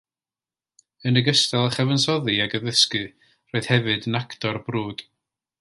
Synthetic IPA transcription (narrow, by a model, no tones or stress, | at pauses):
ənəɡəstɛlˠəχɛvənsɔðɨaɡəðəskɨ | roːɨð̥hɛvɨdənakʰtʰɔrbruːd̥